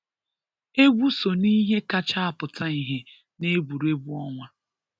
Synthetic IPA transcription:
e˦ɡʷu˦so˨ni˦ɦe˦ka˦t͡ʃa˦a˨pʊ˨tʰa˦i˨ɦe˨ | ne˦bu˨ɾe˦bu˦ɔ˦ŋʷa˦

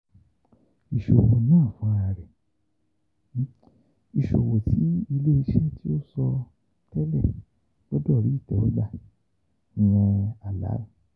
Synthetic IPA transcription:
i˨ʃo˨wo˨nãː˦˨fũ˨˦a˨˧˨ɾɛ˨ | i˨ʃo˨wo˨ti˨˦i˧le˦i˧ʃɛ˦ti˦o˦sɔ˧ | tɛ˦lɛ˦˨ | b̥ɔ˦dɔ˦˨ɾi˨˦i˦˨tɔ˨o˦da˧˨ | wɔ̃˧a˨la̰˨˦

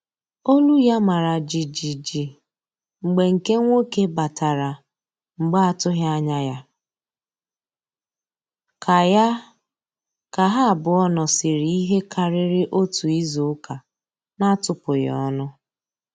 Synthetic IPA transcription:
o˦lu˦ja˦ma˨ɾa˨d͡ʒi˨d͡ʒi˨d͡ʒi˨ | ŋ͡m̩˨ɡ͡be˨ŋ̩˨ke˦ŋʷo˦ke˦ba˨ta˨ɾa˨ | ŋ͡m̩˨ɡ͡ba˦a˨tʊ˦ɦa˦ɲa˦ja˦ | kʰa˨ja˦ | ka˨ɦa˦a˨bʊ˨ɔ˦nɔ˨sɪ˨ɾi˦ɦe˦kʰa˨ɾɪ˦ɾɪ˦ʔo˦tu˨i˦zo˨ʊ˦ka˨ | na˦tʊ˨pʊ˨j̰ɔ̰˦nʊ˦

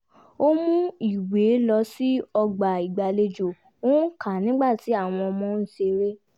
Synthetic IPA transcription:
o˦mũ˦i˨we˨˦lɔ˧si˦ɔ˧ɡ͡ba˨i˨ɡ͡ba˨le˧d͡ʒo˨ | o˦ka˨nĩ˨˦ɡ͡ba˦˨ti˨˦a˦˨w̃ɔ̃˧ɔ˧mɔ̃˧˦n̩˦˨ʃe˧ɾe˦

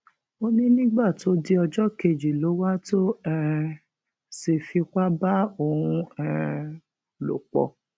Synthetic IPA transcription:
o˧nĩ˦nĩ˦ɡ͡ba˦˨to˨˦di˦ɔ˧d͡ʒɔ˦ke˧˨d͡ʒi˨lo˨˦wa˦to˦ɛ˧ | se˨fi˧ka˦ba˦o˧˨hũ˧ɛ˧ | lo̰˨k͡pɔ̰˧

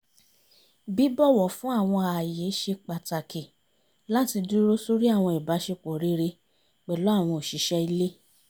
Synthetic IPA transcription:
bi˨˦bɔ˦˨wɔ˨fũ˨˦a˦˨w̃ɔ̃˧a˨je˨˦ʃe˧k͡pa˨ta˨ki˨ | la˦ti˧du˦ɾo˦so˦ɾi˦a˦˨w̃ɔ̃˧i˨ba˨˦ʃe˧k͡po˨ɾi˦ɾe˧ | k͡pɛ˨lɔ˨˦a˦˨w̃ɔ̃˧o˨ʃi˨˦ʃɛ˧i˧le˦

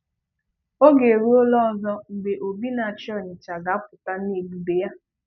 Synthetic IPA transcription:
o˦ɡe˨ɾu˦o˦lɔ˦ɔ˦zɔ˦ŋ͡m̩˨ɡ͡be˨ʔo˨bi˦na˨a˨t͡ʃɔ˦˨ɲɪ˨t͡ʃa˨ɡa˨˦a˦pʊ˨ta˦n˦e˨bu˨de˨ja˦

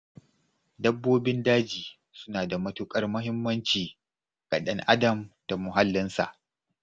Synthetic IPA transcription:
dɐ˦bːoː˦bɪ˦ndaː˦d͡ʒiː˨ | sʊ̥˦naː˨da˨mɐ˦tʊ˦kʼɐ˦rmʊ˦ɦɪ˦mːɐ˦nt͡ʃiː˨ | ɡʼa˨ɗɐ˦ŋʔa˦dɐ˨mta˨mʊ˨ɦa˦lːɪ˦nsa̰˨ʔ

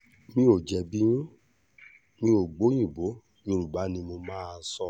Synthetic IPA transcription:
mĩ˦o˨d͡ʒɛ˨bĩ˦ũ˦ | mĩ˧˦o˨ɡ͡bo˨˦j̃ĩ˦˨bõ˨˦˧ | o˧ɾu˨ba˨˦nĩ˧mo˧mãː˦˧˦sɔ˦˨

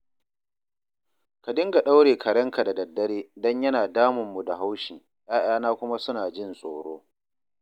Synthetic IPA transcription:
ka˨dɪ˦ŋɡa˨ɗa˦wɽeː˨kʰɐ˨ɽɐ˦ŋka˨da˨dɐ˨dːɐ˦ɽeː˦dɔ˦ɲjɐ˦naː˨daː˦mʊ˨mːu˨da˨ha˦wʃiː˨ | jaː˦j̰aː˦naː˦kʷʊ˦ma˦sʊ˦naː˨d͡ʒɪ˦˨nsʼoː˨ɽoː˦

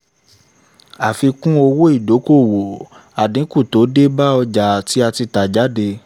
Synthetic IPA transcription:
a˨fi˧kũ˦o˧wo˦i˦˨do˨˦ko˦˨wo˨ | a˨dĩ˨˦ku˦˨to˨˦de˦ba˦ɔ˧d͡ʒa˨ti˨˦a˧ti˧ta˨d͡ʒa˨˦de˧

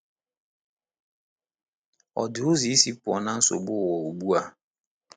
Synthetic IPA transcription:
ɔ̰˨dɪ˨o˦zi˨˦si˦pʊ˨ɔ˨nã˦n̩˦so̰˨bʊ˦˨wɔ˨o˨bu˦a˨

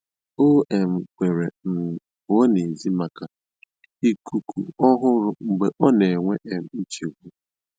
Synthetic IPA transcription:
o˦e˨m̩˨kʷe˨ɾe˨n̩˨ | o˨˦ne˨zi˦ma˨ka˨ | i˦ku˨ku˨ɔ˦ɦʊ˦ɾʊ˦ŋ͡m̩˨ɡ͡be˨ʔɔ˦ne˨ŋʷe˦ʔe˨m̩˨n̩˦t͡ʃi˨ɡʷu˦

